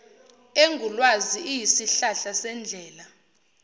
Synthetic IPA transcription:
eŋɡʱulwaziijisiɬaɬasɛnd͡ɮʱɛːla

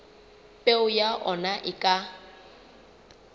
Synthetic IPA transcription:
pʼeʊjaʔɔnaʔɪkʼa

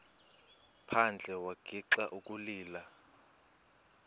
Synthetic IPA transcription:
pʰand͡ɮʱɛwaɡ̥ʱiǀaʔukʼuliːla

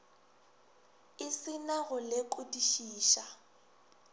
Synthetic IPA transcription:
ɪsɪnaɣʊlɪkʼʊdiʃiːʃa

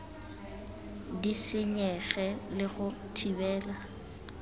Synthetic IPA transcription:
disɪɲɛɣɛlɪɣʊtʰibɛːla

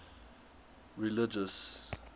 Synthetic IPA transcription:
ɹilɪd͡ʒəs

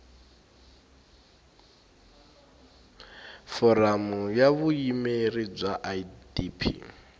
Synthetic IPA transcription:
fɔɾamujaβuimerib͡ʐwaʔaidipʰḭ

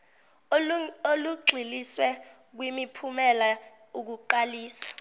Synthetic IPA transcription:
oluɡ͡ǀʱiliswɛ | k̬wimipʰumɛla | uk̬uǃaliːsḁ

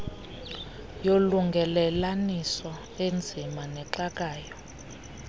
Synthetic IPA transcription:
joluŋɡʱɛlɛlanisɔ | end͡zʱimanɛǁak̬ʼaːjɔ

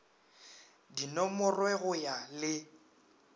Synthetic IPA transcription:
dinɔmʊrwɛɣʊjalɪ

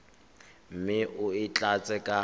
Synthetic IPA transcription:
m̩mɪʔʊɪt͡ɬʼat͡sʼɛkʼa

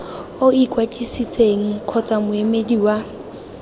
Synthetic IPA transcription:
oikʼwat͡ʃʼisit͡sʼeŋ̩kʰɔt͡sʼamʊemediwa

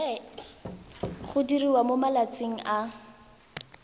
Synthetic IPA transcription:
χʊdiriwamomalat͡seŋ̩ʔa

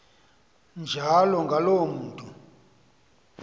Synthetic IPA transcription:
nd͡ʒʱalɔŋɡʱalomuːtʼu

